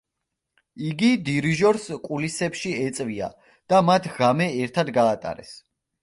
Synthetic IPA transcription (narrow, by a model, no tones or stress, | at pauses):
iɡid̪iɾiʒɔɾskʼulisɛpʃiɛt̪sʼvia̰ | d̪̥amat̪ʰʁamɛɛɾt̪ʰad̪ɡaːt̪ʼa̰ɾɛ̰s